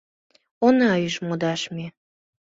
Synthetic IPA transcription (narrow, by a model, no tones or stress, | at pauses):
onɑjəʃmod̪ɑʃmi